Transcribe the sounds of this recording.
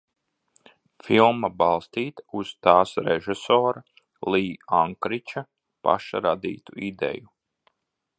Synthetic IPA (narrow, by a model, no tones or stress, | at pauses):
filˠmabɑlˠst̪iːt̪uz̥t̪aːsɾɛʒɛsoːɾa | lˠiːaŋkɾit͡ʃa | pa̰ʃaɾad̪ḭːt̪uid̪ɛ̰ju